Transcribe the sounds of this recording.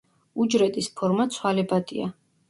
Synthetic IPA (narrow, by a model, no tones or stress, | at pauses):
ud͡ʒɾɛt̪ʼispʰɔɾmat̪sʰwalɛbad̪ʼia̰